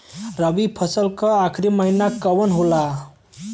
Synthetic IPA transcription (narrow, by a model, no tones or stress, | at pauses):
ɾəbipʰʌsəlkʌakʰɾiməɦinakəwənɦola